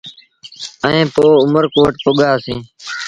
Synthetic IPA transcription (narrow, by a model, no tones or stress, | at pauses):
əẽːpoːʊməɾkoːəʈ̚pʊɠaːsĩː